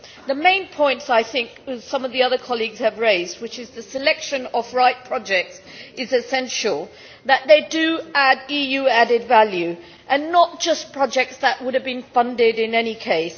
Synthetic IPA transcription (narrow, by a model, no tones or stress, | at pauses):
ðɨmẽɪ̃npʰɔ̃ɪ̃ntsaɪθɪ̃ŋksʌ̃mʌvðiʌðə˞kʰɑlˠiɡz̥ɨvɹeɪzd̚wɨt͡ʃɨzðɨsɨlɛkʃɨ̃nəvɹaɪt̚pʰɹ̥ɑd͡ʒɛk̚ts | ɨzɨsɛ̃nʃl̩ˠ | ðɨt̪̚ðeɪdɨædijʉæɾɨdvælˠjʉ | ʔɨ̃nːət̚d̥ʒ̥ʌspʰɹ̥ɑd͡ʒɛk̚tsðəʔwʊɾɨvbɨ̃nfʌ̃ndɪɾɪ̃nɛnikʰeɪs